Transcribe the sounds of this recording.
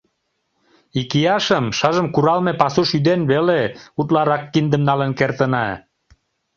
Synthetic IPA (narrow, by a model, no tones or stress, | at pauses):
ikijɑʃəmʃɑʒəmkuɾɑlmepɑsuʃyd̪enβeleut̪lɑɾɑkːind̪əmnɑlənkert̪ənɑ